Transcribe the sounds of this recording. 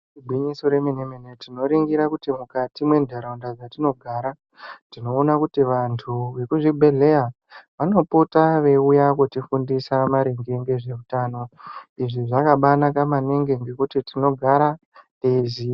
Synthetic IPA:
bʱwiɲisoɾeminemenetino̞ɾiŋɡiɾakutimukatimwe̞ndʱeɾaundad͡zatino̞ɡʱaːɾa | tino̞ːnakutiʋantʰuʋe̞kuʐibʱe̞ɮe̞ja | ʋano̞putaʋe̞ujakutifundisamaɾeŋɡeŋɡe̞ʐe̞utaːno̞iʐiʐakaɓanakamaneŋɡe̞ŋɡe̞kutitino̞ɡʱaɾa | ezi

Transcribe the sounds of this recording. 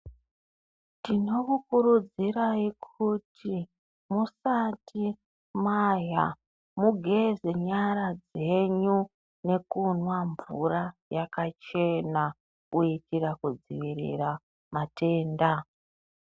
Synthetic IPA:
tino̞kukurud͡ziɾaikʰutʰi | musati | maja | muɡʱezeɲaɾad͡ze̞ɲu | ne̞kunwaɱvurajakat͡ʃe̞na | uitirakud͡zḭʋiɾḭra | mate̞ːnda

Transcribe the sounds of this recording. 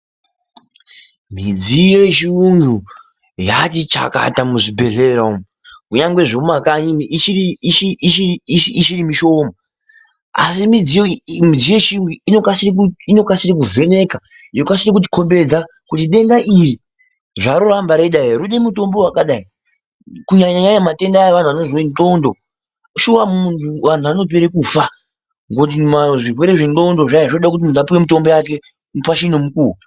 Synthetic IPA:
m̤id͡ziet͡ʃiuŋɡu | jatit͡ʃa̰ka̰tamuʐibʱe̞ɮeɾam | kuɲaŋɡwe̞ʐoumakaɲiniit͡ʃiriiʃiʃiʃiʃirimiʃo̞ma | a̰simid͡zimid͡zije̞t͡ʃiuŋɡiːnokasirkino̞kasiɾikuve̞ne̞ka | jokasirik̬ut̬i̥kʰo̞mbe̞d͡za | kutiɗe̞ndaʔiri | ʐaɾurambaɾeɗaiɾuɗemuto̞mbo̞wakaɗai | kuɲaɲaɲaɲamate̞ndajeʋan̤uʋano̞zo̞indo̞ndo̞ | ʃuwamuntʰuʋan̤uʋano̞p̬eɾekufa | ŋɡot̬imaʐirwe̞ɾe̞ʐeno̞ndo̞ʐaeʐinoɗakut̬imunapiwemuto̞mbojak̬e̞ | nupaʃinomukuːu

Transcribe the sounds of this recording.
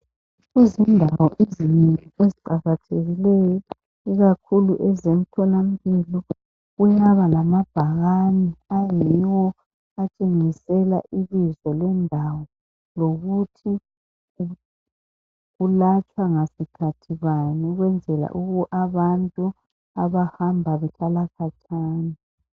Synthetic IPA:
izindʱawɔʔezininieziǃaɣatʰeɣilɛjɔ | iɣakʰuluʔɛzem̩tʰɔnam̩pilɔ | ɣujaβalamab̥ʱaɣaniajiiwɔ | at͡ʃʼeŋisɛla̰ʔilizɔlwɛndʱawɔ | loɣutʰi | ɣulat͡ʃʼwaŋasikʰatʰiβaniɣwɛnd͡zʱɛla̰ʔuɣuʔaβantʼu | aβahambʱaβɛtʰalakʰatʰaːni

